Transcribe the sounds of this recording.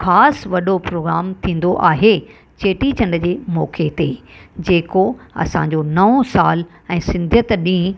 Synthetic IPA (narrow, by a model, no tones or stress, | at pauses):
xaːsʋɐɗopɾoːɡɾaːmt̪ʰĩːn̆d̪oʔaːɦe | t͡ɕeːʈit͡ɕɐ̃ɳɖəd͡ʑeːmɔ̰ːkʰet̪eːd͡ʑeːkoɐ̰sã̰ɲd͡ʑonɐʋõsaːl | ɛ̃ːsɪ̃nd̪ʱjət̪ɗĩː